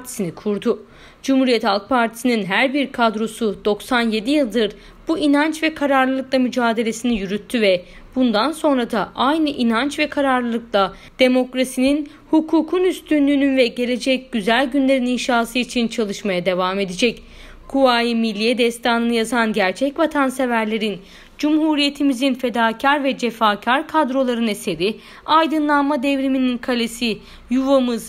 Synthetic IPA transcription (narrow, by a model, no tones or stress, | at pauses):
t̪ʰi̥sinikʰuɾd̪ʊ | d͡ʒumhuːɾijɛt̪halˠk̚pʰaɾt̪ʰi̥sininɦæɾbiɾkʰad̪ɾo̞sud̪o̞ksanje̞d̪ijɯlˠd̪ɯɾ | b̥uinant͡ʃvɛkʰaɾaɾlˠɯlˠɯklˠamyd͡ʒaːd̪e̞lʲe̞sinijyɾyt̪ʰːyvɛ | b̥und̪anso̞nɾad̪aʔajnɯʔinant͡ʃvɛkʰaɾaɾlˠɯlˠɯklˠa | d̪̥e̞mo̞kɾasinin | hukʰuːkʰunyst̪ʰynlʲyːnynvɛɟe̞lʲe̞d͡ʒɛc̚ɟ̥yzælʲɟynlʲe̞ɾininʃaːsɯit͡ʃʰint͡ʃʰalˠɯʃmajad̪e̞vame̞d̪ed͡ʒɛc | kʰuvaːjimilʲːijɛd̪ɛst̪ʰaːnɯnɯjazanɟæɾt͡ʃʰɛcvat̪ʰanse̞væɾlʲe̞ɾin | d͡ʒumɦuːɾije̞t̪ʰimizinfe̞d̪aːcʰaɾvɛd͡ʒe̞faːcʰaɾkʰad̪ɾo̞lˠaɾɯne̞se̞ɾi | ajd̪ɯnlˠanmad̪ɛvɾimininkʰalʲesi | juvamɯz̥